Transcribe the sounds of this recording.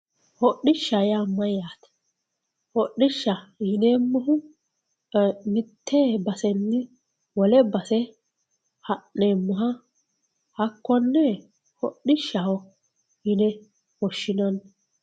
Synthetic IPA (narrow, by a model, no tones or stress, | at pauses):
hɔɗɪʃːajamːɐjaːt̪ɐ̥ | hɔɗːɪʃːɐjɪneːmːɔɦʊ | mɪt̪ʰːeːbɐsɛnːɪ | wɔlɛbɐsɛ | hɐnːeːmːʊɦɐ | hɐkːɔnːɛ | hɔɗːɪʃːɐhɔ | hɪnɛ | hɔʃːɪnɐn